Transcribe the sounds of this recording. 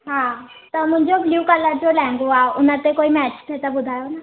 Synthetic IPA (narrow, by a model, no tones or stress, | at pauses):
ɦãː | t̪əmʊ̃ɲd͡ʒobljuːkələɾd͡ʒolɛ̃ːŋɡoaːʊnãt̪ekoːimɛːt͡ʃt̪ʰet̪abʊd̪ʱaːjona